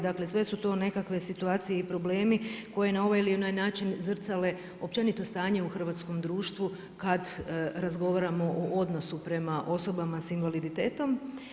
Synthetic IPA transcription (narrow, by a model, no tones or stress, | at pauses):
d̪akle̞sʋe̞sut̪o̞ːne̞kakʋe̞sit̪uaːt̪sijeipɾo̞ble̞ːmiko̞je̞nao̞ʋajilionajnaːt͡ʃinzr̩t̪sale̞ | o̞p̚t͡ʃe̞nit̪o̞st̪aːɲe̞uxr̩ʋaːt̪sko̞md̪ɾuːʃt̪ʋu | kad̪ɾazɡo̞ʋaɾamo̞ʔoʔo̞d̪no̞supɾe̞maʔo̞so̞bamasinʋalid̪it̪eːt̪o̞m